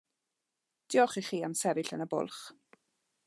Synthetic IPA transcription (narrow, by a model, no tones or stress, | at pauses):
d̥ɪɔχiχiːamsɛvɪɬənəbʊ̰lˠχ